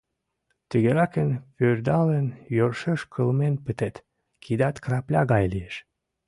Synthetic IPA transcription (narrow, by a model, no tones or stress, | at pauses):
t̪əɣeɾɑkənpørd̪ɑlenjørʃeʃkʰəlmenpət̪et̪ | kʰid̪ɑt̪krɑplʲɑɣɑjlieʃ